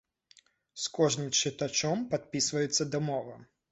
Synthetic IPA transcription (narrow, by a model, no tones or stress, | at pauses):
skɔʐnɨmt͡ʂɨt̪at͡ʂɔmpat̪̚pʲisvɐjɛt̪sːɐd̪ɐmɔvɐ